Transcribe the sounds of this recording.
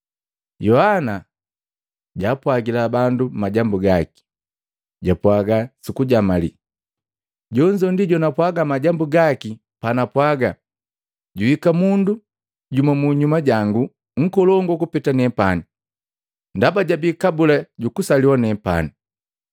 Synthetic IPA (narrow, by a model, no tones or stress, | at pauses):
jɔhana | ɟaːpwaɡilabandumaɟambuɡaki̥ | ɟapwaɡasukuɟamalḭ | ɟɔɲd͡ʒɔndiɟɔnapwaɡamaɟambuɡaki | panapwaɡa | ɟuhikamundu | ɟumamuɲumaɟaŋɡu | ŋ̩kɔlɔŋɡɔkupitanɛpani | ndabaɟabikabulaɟukusaliwanɛpa̰ni